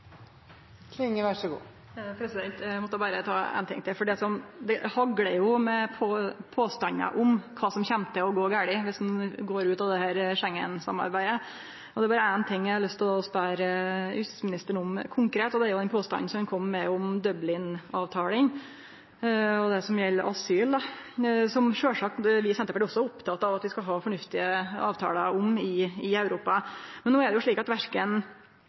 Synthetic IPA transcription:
kʰlɪŋːəʋæʂəɡṵː | pʰɾɛsɪd̪ɛnt̪mɔt̪ːəbɑːɾət̪ʰɑ̰ːæ̰nt̪ɪ̰ŋt̪ʰɪfɔɖɛsɔmd̪ɛhɑɡɽəjʊmɛpʰopʰoːst̪ɑnə̰ʔʊmkʰɑːsɔmçɛmt̪əɔɡoːɡæːɭɪʋɪsnɡoːɾʉːt̪ɑʋd̪ɛhæːɾʂɛŋːə̰nsɑ̰mːɑ̰ɾbæɪd̪ə | ɔd̪ɛæbɑːɾəæɪnt̪ʰɪŋːjæɪhɑɾɭʏst̪ʰɪld̪ɑːɔspæɾəʏssmɪnɪst̪əɳɔmkʰʊŋkɾeːt̪ːɔd̪ɛæɾjʊd̪ɛnpʰoːst̪ɑ̰nːn̩sɔmɛnkʰɔmːmɛɔmd̪œblɪnɑːʋt̪ʰɑːlɪŋ | ɔd̪ɛsɔmjɛlːəɾʔɑsyːld̪ɑsɔmʂøːʂɑːkʋɪsɛnt̪ːəpɛɪɔsːɔɛɾʊpt̪ʰɑt̪ːɑʋɑt̪ʋɪskɑlɦɑːfɔɳʉft̪ɪəɑ̰ːʋt̪ʰɑ̰ːləʊmɪɪæʉɾuːpɑmɛnːoːɛɖɛjʊʂɭiːkɑt̪ʋæɾkən

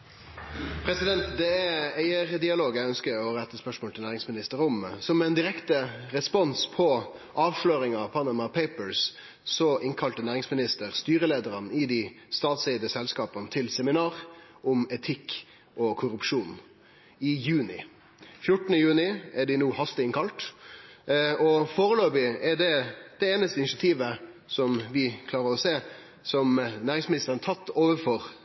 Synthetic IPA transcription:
pʰɾɛsɪd̪ɛnt̪d̪ɛææɪəɾd̪ɪɑloːɡæœnskəoːəɛt̪ːəspœʂmoːlt̪ɪlæːʁɪŋsmɪnɪst̪əɾʊmsɔmɛnd̪ɪɾɛkt̪əɾɛspɔnspʰɔʔɑːʋʂløːɾɪŋɑʋpʰɑnɑmɑpʰeɪpəɹs | sɔʔɪŋkʰɑlt̪ənæːʁɪŋsmɪnɪst̪əʁst̪yːɾəleːd̪əɾɑnɪd̪ist̪ɑːt̪sɛɪd̪əsɛlskɑːpənt̪ʰɪlsɛmɪnɑːʁʔʊmɛt̪ʰɪk | ʔɔkʰʊɾʉpʂuːn | ɪjʉːnɪ̰ | fjʊʈənəjʉːnɪɛɖɪnuːhɑst̪ɪɪŋkʰɑlt̪ | ɔfoːʁəløːbɪɛɖɛd̪̥ɛeːnəst̪əɪnɪʃɑt̪ʰiːʋəsɔmʋɪkʰlɑːʁəɾɔseː | sɔmnæːʁɪŋsmɪnɪst̪əɾənt̪ʰɑt̪ːoːʋəfɔʁ

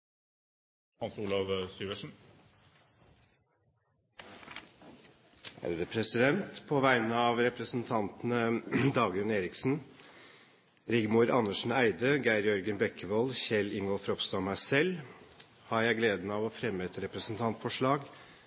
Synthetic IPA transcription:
hɑnsuːlɑʋsyːʋəʂn̩ | hæ̰ɾəd̪əpʰɾɛsɪd̪ɛnt̪pʰoːʋæɪnəɑːʋɾɛpɾəsn̩t̪ʰɑnt̪nəd̪ɑːɡɾʉneːɾɪksn̩ | ɾɪɡmuːɾɑnːəʂn̩æɪd̪əɡæɪɾjœɾɡənbɛkʰːəʋɔlçɛlɪŋɡɔlfɾɔpst̪ɑmæsɛl | hɑɾjæɪɡleːd̪n̩ɑːʋɔfɾɛmːəɛt̪ɾɛpɾəsn̩t̪ʰɑnt̪fɔʂɭɑːɡ

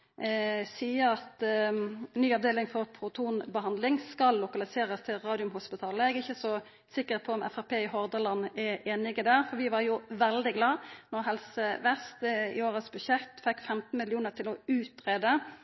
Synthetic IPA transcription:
siːəɾɑt̪ | nyːɑʋd̪eːlɪŋfɔʁpʰɾʊt̪ʰuːnbəɦɑnd̪lɪŋskɑlːʊkɑlɪseːɾəst̪ʰɪlʁɑːd̪ɪʊmhʊspɪt̪ʰɑːləɛɡɪçːəsɔ | sɪkːəʁpʰɔɔmʔɛ̰fæʁpʰeːɪhɔʁd̪əlɑnːɛʔeːnɪɡəd̪æːʁfɔʁʋɪʋɑɾjʊʋɛld̪ɪɡlɑːnɔʁɦɛlsəʋɛst̪ɪ̰oːʁəsbʉʃɛt̪ːfɛkːfɛmt̪n̩mɪlɪuːnəʁt̪ʰɪlɔʉːt̪ɾeːd̪ə

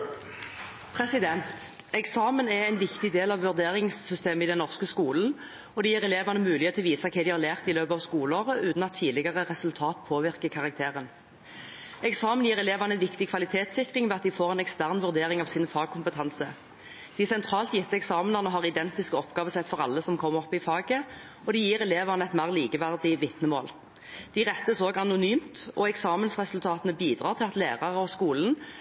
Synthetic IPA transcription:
pʰʁɛsɪd̪ɛnt̪ | ɛksɑːmənɛæɪnʋɪkt̪ɪd̪eːlɑʋʋʉʁd̪eːʁɪŋsːʏst̪eːməid̪ɛnɔʁskəskuːln̩ | ɔd̪ɛjiːʁɛleːʋɑnəmʉːlɪət̪ʰʋiːsɑkʰɛd̪ɪhɑʁlæːʁt̪ɪløːpəɑʋskuːləoːʁəʔʉːt̪n̩ɑt̪ʰːiːd̪lɪɡəʁəʁɛsʉlt̪ʰɑːt̪pʰoːʋɪʁkəkʰɑʁɑk̚t̪ʰeːʁən | ɛksɑːmənjiːʁɛleːʋɑnəɛnʋɪkt̪ɪkʰʋɑlɪt̪ʰeːt̪sɪkʁɪŋʋɛːɑt̪̚d̪ɪfoːʁɛɪnɛkst̪æʁnʋʉʁd̪eːʁɪŋɑʋsɪnfɑːɡ̚kʰʊmpət̪ʰɑnsə | d̪̥ɪsɛnt̪ʰʁɑːlt̪jɪt̪ːəɛksɑːmnɑʁnəɦɑːʁɪd̪ɛnt̪ɪskəɔpɡɑːʋəsɛt̪fɔʁɑ̰lːəsɔmkʰɔmːəʁɔpːɪfɑːɡə | ɔd̪ɪjiːʁɛleːʋɑnəɛt̪mæʁliːkəʋæʁd̪ɪʋɪt̪nəmoːl | d̪̥ɪʁɛt̪ːəsoːɡɑnʊnyːmt̪ɔɛksɑːmənsʁɛsʉlt̪ʰɑːt̪ənəbiːd̪ʁɑːʁt̪ʰɪlɑt̪leːʁɑʁəɔskuːln̩

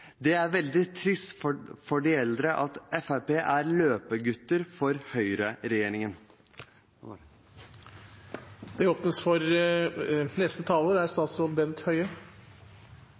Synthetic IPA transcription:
d̪ɛæɾʋɛld̪ɪt̪ʰɾɪst̪ffɔɖɪɛld̪ɾəʔɑt̪ɛfæpeːʔæɾløːpəɡʉt̪ːəɾfɔɾhœʏɾəɾɛjeːɾɪŋən | d̪̥ɛɔpnəsfɔɾ | nɛst̪ət̪ʰɑːləɾæɾst̪ɑːsɔbɛnt̪hœʏə

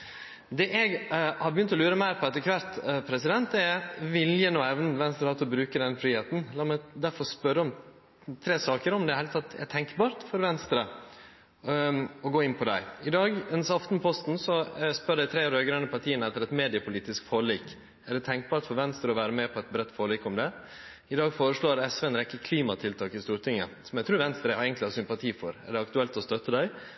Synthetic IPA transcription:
d̪ɛːʔɛɡhɑɾbəjʏnt̪ɔlʉːɾəmæɪɾpʰɔɛt̪ɛkʰʋɑɾt̪pʰɾɛsɪd̪ɛnt̪ɛɾʋɪljənuːɛʋnəʋɛnst̪ɾhɑːt̪ɔbɾʉːkəd̪ɛnfɾiːheːt̪n̩lɑːmɛd̪æɾfɔɾspœɾːəɔm | t̪ʰɾeːsɑːkəɾɔmd̪ɛɾhɛɪlət̪ʰɑt̪ːɛ̰t̪ʰɛŋkbɑːɾt̪fɔɾʋɛnst̪ɾə | ɔɡoːɪnːpʰɔd̪æ̰ɪɪd̪ɑːɡɛnsɑft̪n̩pʰɔst̪nsɔspœɖ̪æɪt̪ʰɾeːɾd̪æɡɾɑnːəpʰɑʈ̪ʰiːənəɛt̪ːəɾɛt̪meːd̪ɪəpʰʊliːt̪ɪskfoːɭiːk | æɖɛt̪ʰɛŋk̚bɑːɾʈ̪fɔɾʋɛnst̪ɾəɔʋæːɾəmɛpʰɔɛt̪̚bɾɛt̪ːfoːɭiːkɔmd̪ɛ | ɪd̪ɑːɡfoːɾəʂɭoːɾɛsʋɛnɾɛkːəkʰliːmɑt̪ʰɪlt̪ʰɑːkɪst̪uːɾt̪ʰɪŋːə | sɔmɛɡt̪ʰɾʉːɾʋɛnst̪ɾəeɪɡənt̪lɪhɑɾsʏmpɑt̪ʰiːfɔɾæ̰ɖɛɑkt̪ʉɛlt̪ɔst̪œt̪ːəd̪æɪ

